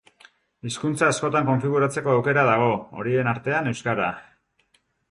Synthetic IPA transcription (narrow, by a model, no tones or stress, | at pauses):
iskunt͡saːsko̞t̪aŋko̞ɱfiɣ̞uɾat͡se̞ko̞awke̞ɾaðaɣ̞o̞o̰ɾie̞naɾt̪e̞ane̞wskaɾa